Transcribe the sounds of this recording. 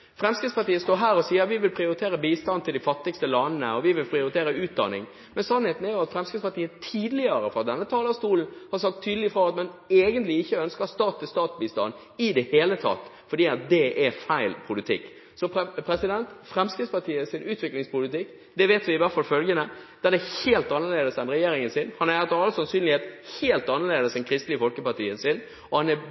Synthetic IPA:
fɾɛmskɪt̪spɑʈ̪iːəst̪oːɦæːɾɔsiːəʋɪʋɪlpʰɾɪʊɾɪt̪ʰeːɾəbiːst̪ɑnt̪ɪld̪ɪfɑt̪ːɪkst̪əlɑnnə̰ɔʋɪʋɪlpʰɾɪʊɾɪt̪ʰeːɾəʉːt̪̚d̪ɑ̰nɪ̰ŋ | mɛnsɑnheːt̪n̩æɾjʊɑt̪fɾɛmskɪt̪spɑʈ̪iːət̪ʰiːd̪əlɪəɾəfɔɾɑt̪̚d̪ɛnːət̪ʰɑːləst̪uːln̩hɑɾsɑk̚t̪ʰːyːd̪əlɪfɾɔɑt̪mɛneːɡənt̪lɪɪçːəœnskəst̪ɑːt̪ʰːɪlst̪ɑːt̪sbiːst̪ɑ̰n | ɪd̪ɛheːlət̪ʰɑ̰t̪ː | fɔɖiːɑt̪̚d̪ɛʔæɾfæɪlpʰʊlɪt̪ʰɪ̰kː | sɔppʰɾɛsɪd̪ɛnt̪fɾɛmskɪspɑʈ̪ʰiːəsɪnʔʉːt̪ʋɪklɪŋspʊlɪt̪ɪkː | d̪ɛʋeːt̪ʋɪɪʋæɾt̪fɑlfœlɡənəd̪̥ɛd̪ɛheːlt̪ɑnːəɾleːd̪əsɛnɾɛjeːɾɪŋənsɪnhɑnɑæt̪ɑlsɑnsyːnlɪheːt̪heːlt̪ɑnːəɾleːd̪əsd̪ɛnkʰɾɪst̪lɪəfɔlkəpɑʈ̪iːənsɪn | ɔhɑnæ

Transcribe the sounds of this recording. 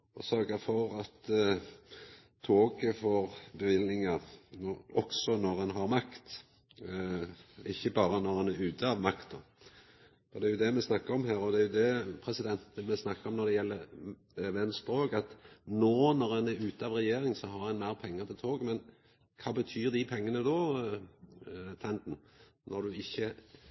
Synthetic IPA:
ɔsœɾɡəfɔɾɑt̪ | t̪ʰoːɡəfoːʁbəʋɪlnɪŋɑnɔɔksɔnɔɾɛnɦɑɾmɑkt̪ | ɪçːəbɑːɾənɔɾɛnæɾʉːt̪əɑʋmɑkt̪d̪ɔ | fɔd̪ɛæɾjʊd̪ɛmɛsnɑkːəɾɔmɦæːɾɔd̪ɛæjʊd̪ɛpʰɾɛsɪd̪ɛnt̪mɛsnɑkːəɾɔmnɔd̪ɛjɛlːə | ʋɛnspɾoːɡɑt̪noːnɔʁɛnæɾʉːt̪əɑːʋʁɛjeːɾɪŋsɔɦɑʁɛnmæɪʁpʰɛŋːəʁt̪ʰɪlt̪ʰoːɡmɛn | kʰɑːbət̪ʰyːʁd̪ɪpʰɛŋːənəd̪oː | t̪ʰɛnd̪n̩ | nʔɔɾd̪ʉɪçːə

